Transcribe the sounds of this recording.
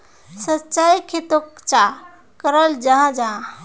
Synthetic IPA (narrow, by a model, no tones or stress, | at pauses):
sətːt͡ʃajkʰet̪okt͡ʃa | kəɾəld͡ʒaɦãd͡ʒaɦã